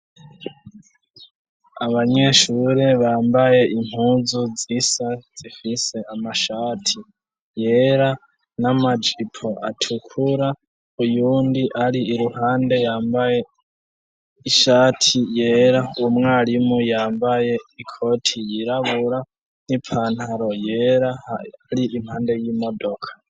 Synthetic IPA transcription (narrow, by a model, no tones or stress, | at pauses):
aβaɲe̞ːʃuɾe̞βaːmbaje̞ʔim̥huːzud͡zisad͡z̥ifise̞amaʃaːtʰi | jeːɾa | namad͡ʒipʰoʔa̰tʰukʰuɾa | ujuːndiʔaɾiːɾuhaːnde̞jaːmbaje | iʃaːtʰijeːɾaumŋaːɾimujaːmbajeikʰotʰijiɾaβuɾa | nipʰanhaɾojeɾaaɾiʔim̥haːndejiːmodokʰḁ